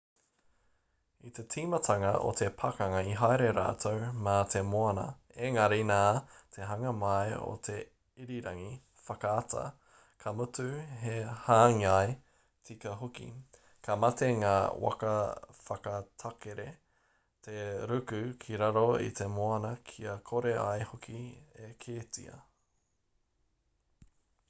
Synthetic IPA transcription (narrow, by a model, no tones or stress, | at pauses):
it̪e̞tʰiːmɐt̪ʰɐŋɐʔo̰t̪ʰe̞pʰɐkɐŋɐiɦajɾe̞ɾa̰ːtʰowmat̪ʰe̞moɐnɐ̰ | eŋɐɾinaːt̪ʰe̞ɦɐŋɐmajo̰t̪ʰe̞ | iɾiɾɐŋi | fɐkɐːtɐ̰ | kʰɐmutʉɦehaːŋiaj | t͡sikɐɦokḭ | kʰɐmɐteŋaːwʔɐ̰kɐfɐkɐtʰɐkeɾe | t̪ʰeɾʉkʉkʰiɾɐɾoḭt̪ʰe̞moɐnɐkʰiɐkʰoɾeʔa̰jhokʰiekʰeːtḭɐ̰